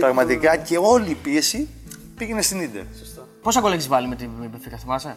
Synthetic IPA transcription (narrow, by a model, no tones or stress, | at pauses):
pɾɐɣmɐt̪ikɐce̞o̞liːpie̞si | piɣenest̪inid̪eɾ | po̞sɐɡo̞leçizvɐlimet̪ibefikɐθimɐse